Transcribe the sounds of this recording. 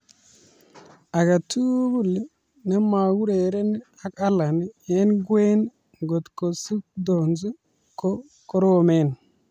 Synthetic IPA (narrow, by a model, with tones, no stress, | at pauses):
a˨ɡa˨tʰu˦bu˦˨li˦ | ne˦ma˨ɡu˦ɾe˨˦ɾe˦n˦ | a˦ka˦la˨ni˦je˦nɡwe˦n | ɡo˨t̪ko˨su˦k̚do˨nzu˦ | ko˦ | ko˦ɾo˦o˨me˦˨n˨